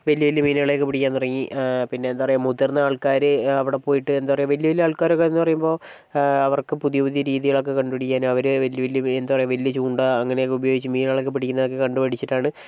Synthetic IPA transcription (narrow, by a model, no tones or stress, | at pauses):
ʋɐljɐʋɐljɐmiːnaːɭe̞kːɨpiɽikʲːaːnːurɐŋːipinːe̞eːnd̪aːɐrɐjumːuðirnːɐaːɭkaːɾɨɐʋiɽepoːjiʈːɨe̞nd̪aːpɐrɐjuʋɐljɐʋɐlijɐaːɭkaːɾokːeenːupɐrɐjumbo̞ː | ɐʋɐrkɨpuðijɐpuðijɐɾiːðijɐɭo̞kːe̞kɐɳɖupɐɽikʲːaːnuɐʋɐɾɨʋɐlːjɐʋɐljɐenaːɐrɐjuʋɐlijɐt͡ɕuːɳɖaɐŋːɐneokːɨubɐjo̞ːɡit͡ɕːɨmiːnaːɭekːɨpiɽikʲːunɐðokːekɐɳɖupɐɽit͡ɕːiʈːaːɳɨ